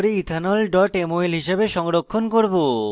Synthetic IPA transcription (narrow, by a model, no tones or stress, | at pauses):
ɾiit̪ʰanɔlɖɔʈemoelɦiʃebeʃɔŋɾokʰːonkoɾbo